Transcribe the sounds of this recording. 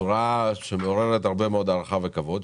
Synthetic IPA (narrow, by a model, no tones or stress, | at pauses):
uʁaʃe̞meo̞ʁeʁet̪aʁbe̞meo̞d̪aʁaχave̞kavo̞d̪